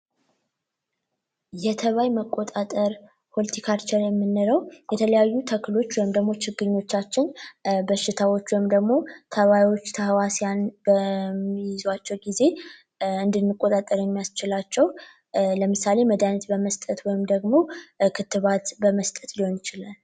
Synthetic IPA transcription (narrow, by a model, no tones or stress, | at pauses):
jɛt̪ʰəβajməkʼːo̞t̪ʼat̪ʼəɾ | pʰo̞lət̪ʰikʰaɾt͡ʃɛɾjɛmːɨnːɨɾəwjɛt̪ʰələjajːut̪ʰəkɨlo̞t͡ʃːwɔjɪmd̪əɡmo̞t͡ʃɪɡːɨɲːo̞t͡ʃːat͡ʃːɪnbəʃːɪt̪ʰawo̞t͡ʃːwɔjɪmd̪əɡmo̞t̪ʰəβajwo̞t͡ʃːt̪ʰəhwasjanbəmijɪzwat͡ʃːɛwɡize̞ | ɨnd̪ɨnːɨkʼːot̪ʼat̪ʼːəɾjɛmːijast͡ʃɪlat͡ʃːɛw | ləmɨsale̞məd̪anət̪bəməst̪ʼət̪wɔjɪmd̪əɡmo̞kʰɨt̪ːɨβat̪bəməst̪ʼət̪liho̞njɪt͡ʃɪlal